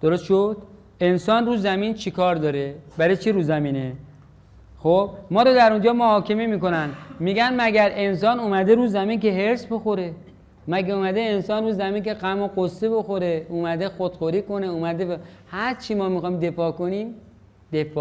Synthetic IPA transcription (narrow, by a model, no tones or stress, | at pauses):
d̪̥oɾost̪ʃod̪̥ | e̞nsɒːnruːzæmiːnt͡ʃʰikʰɒːɾd̪ɒːɾebæɾet͡ʃʰiɾuːzæmiːne | xob̥̚mɒːɾɔd̪æɾond͡ʒɒːmohɒːkʰe̞me̞miːko̞nænmiːɡænmæɡæɾe̞ns̬ɒːnumæd̪eɾuːzæmiːnke̞ɦeɾsbo̞xo̞ɾe̞ | mæɡeumæd̪eːnsɒːnruːzæmiːnke̞ɢæmoqosːeboxoɾe̞uːmæd̪e̞xod̪̥xoɾiːko̞neumæd̪ehæɾt͡ʃʰimɒːmixɒːimd̪e̞fɒːkoniːm | d̪̥e̞fː